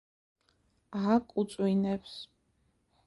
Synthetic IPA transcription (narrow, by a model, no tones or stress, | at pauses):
akʼut̪sʼwinɛps